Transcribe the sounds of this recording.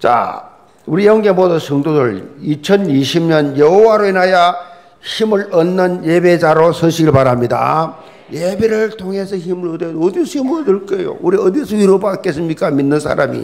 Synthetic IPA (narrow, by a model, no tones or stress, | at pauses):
t͡ɕa̰ | uɾijʌŋɡe̞modɯsʰʌŋdodɯɭit͡ɕʰʌniɕʰimɲʌnjʌɦowaɾoinaja | çimɯɭʌnːɯnjebed͡ʑaɾosʰʌɕʰiɡɯɭpaɾamɲida̰ | jebe̞ɾɯɭtʰoŋɦe̞sʰʌçimɯɾʌd̪eʌd̪is͈ʰoimuɾodɯɭk͈ʌḛjo̰uɾiʌd̪isʰoiɾobak͈es͈ɯmɲik͈aminːɯnsʰa̰ɾa̰mḭ